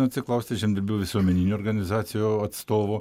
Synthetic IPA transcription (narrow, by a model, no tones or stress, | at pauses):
ʊɐt̪ʲsʲɪklˠɐʊsʲt̪ʲɪʒʲɛnd̪ʲɪɾʲbʲɪlˠʋʲɪsuɔmʲɛnʲiːnʲuːɾɡɐnʲɪzɑːt̪sʲɪjuɐt̪st̪oːʋoː